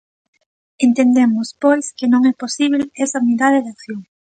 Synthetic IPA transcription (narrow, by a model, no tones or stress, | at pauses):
ent̪end̪emʊspojskɪnõŋɛposiβlɛsɐuniðaðeðakθjoŋ